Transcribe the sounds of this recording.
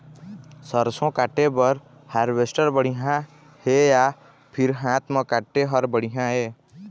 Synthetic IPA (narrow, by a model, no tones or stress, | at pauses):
səɾsõkaːʈebəɾ | haɾʋesʈəɾbəɽiɦã | heja | pʰɪɾɦãːt̪mə̃kaːʈːeɦəɾbəɽiɦãɦeː